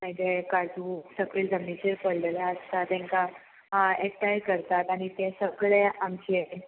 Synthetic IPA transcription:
məɡʱekaɾt̪ũsəɡɭeld͡zʱəmnit͡ɕəɾpəlɖəljaəst̪at̪ɛ̃ŋka | eʈajɾkəɾt̪at̪aɽ̃it̪ẽsəɡɭeamt͡ɕe

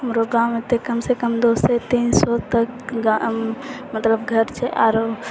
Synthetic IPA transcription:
ɦəmɾoɡamet̪ekəmsekəmd̪oset̪insɔt̪əkɡa | mət̪ləbɡʱəɾt͡ʃʰɛʔaɾo

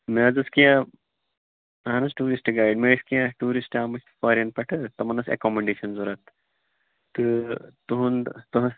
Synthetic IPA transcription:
meɐd͡zɐskijã | ɦɐnɐsʈuːɾisʈɡaːjɖmeɐskijãʈuːɾisʈaːmɐsfaːɾʲiɐnpɐʈʰɐt̪ɐmɐnɐsɐ̰kɔːmɐɳɖeːʃɐnzoɾɐt̪ | t̪ɨt̪uɦund̪t̪ɐɦɐ̃

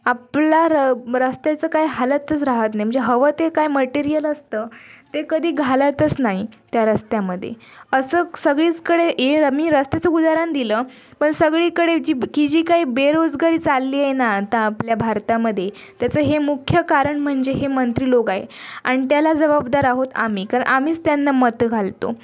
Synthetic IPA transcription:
aplaɾəɾəst̪jat͡səːkajɦalət̪ət͡sɾaɦət̪najm̤əɳd͡zeɦəʋət̪ekajməʈiɾijələst̪əːt̪ekəd̪ʱiːɡʱalət̪ət͡snaɦit̪jaɾəst̪jaməd̪ʱːjḛəsəːsəɡɭiːt͡skəɽejemiːɾəst̪jat͡səɡud͡zaɾand̪iləː | pəɳsəɡɭiːkəɽed͡ʑiːkid͡ʑiːkaɦiːbeɾod͡zɡaɾiːt͡salːiːjenat̪ːpljabʱaɾt̪aməd̪ʱːje | t̪jat͡səːɦemukʰjəkaɾəɳm̤əɳd͡ʑeɦemənt̪ɾiːloɡaɦḛa̰ɽ̃it̪jalad͡zəβabd̪aɾaɦot̪a̰m̤ikaɾə̰ɳ̃ʔam̤iːt͡st̪janːəmət̪ɡʱalt̪o̰

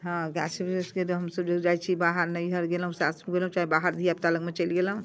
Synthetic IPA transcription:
ɦãɡat͡ʃʰbsesket̪oɦəmsəb̚d͡ʒoɡd͡ʒajt͡ʃʰibaɦəɾnəjɦəɾɡeləɦũsasmɡeləɦũt͡ʃaɦibaɦəɾd̪ʱiapt̪aləɡmet͡ʃəlɡeləɦũ

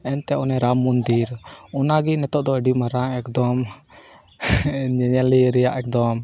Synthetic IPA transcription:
ɛnt̪ɛʔɔnɛɾamːund̪iɾɔnaɡinɛt̪ɔʔd̪ɔɛɖimaɾaŋɛkd̪ɔm | ɲɛɲaliɾɛjaʔɛk̚d̪ɔm

